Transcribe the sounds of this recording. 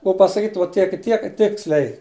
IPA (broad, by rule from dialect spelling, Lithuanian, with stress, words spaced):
ˈbuɔ pɐsɐˈkʲiːt ʋoː ˈtʲiɛk ɪ ˈtʲiɛk ˈtʲɪksʲlʲɛɪ